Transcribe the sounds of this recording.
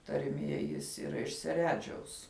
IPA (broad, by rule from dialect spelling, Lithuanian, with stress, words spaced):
tɐrʲˈmʲiɛ ˈjɪs iːˈrɐ ɪʃ sʲɛˈrʲæːd͡ʒʲɛʊs